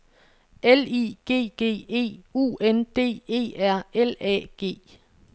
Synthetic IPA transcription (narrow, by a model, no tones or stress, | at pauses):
elḭːɡ̥e̝̰ːɡ̥e̝̰ːe̝̰ːṵːend̥e̝̰ːe̝̰ːæɐ̰elɛ̰ːɡ̥e̝̰ː